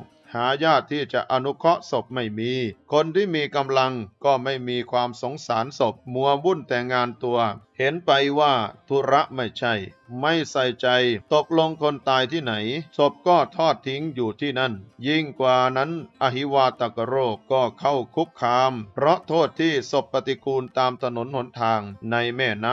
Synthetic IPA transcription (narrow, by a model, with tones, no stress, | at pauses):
haː˩˦jaː˥˩t̪ʰːiː˥˩t͡ɕa˨˩ʔa˧nu˦˥kʰɔ˦˥ʔso˨˩p̚ma˥˩jmiː˧kʰo˧nt̪ʰiː˥˩miː˧ka˧mla˧ŋkɔː˥˩ma˥˩jmiː˧kʰwaː˧mso˩˦ŋsaː˩˦nso˨˩p̚mu˧˩˦ɐwu˥˩nt̪ɛː˨˩ŋːaː˧nt̪u˧ɐhe˨˦npa˧jwaː˥˩t̪ʰu˧˦˥ɾa˦˥ʔma˥˩jt͡ɕʰa˥˩jma˥˩jsa˨˩jt͡ɕa˧jt̪o˨˩k̚lo˧ŋkʰo˧nt̪aː˧jt̪ʰiː˥˩na˩˦jso˨˩p̚kɔː˥˩t̪ʰɔː˥˩t̪ʰːi˦˥ŋjuː˨˩t̪ʰiː˥˩na˥˩nji˥˩ŋkwaː˨˩na˦˥nʔa˧˩ɦi˦˥waː˧t̪a˨˩ka˧ɾoː˥˩p̚kɔː˥˩kʰa˥˩wkʰu˦˥p̚kʰːaː˧mpʰɾɔ˦˥ʔt̪ʰoː˥˩t̪ʰːiː˥˩so˨˩pːa˧t̪i˧kʰuː˧nt̪aː˧mt̪ʰa˧no˩˦nho˨˩˦nt̪ʰaː˧ŋna˧jmɛː˥˩na˦˥